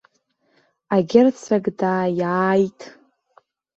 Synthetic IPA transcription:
aɡʲɪrt͡sʰaɡdaːjaːjtʼ

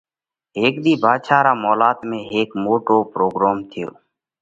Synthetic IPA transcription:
ɦeːkd̪iːbʱaːʃaːɾaːmoːlaːt̪mẽːɦeːkmoːʈoːpɾoːɡɾaːmt̪ʰɪjo̰ː

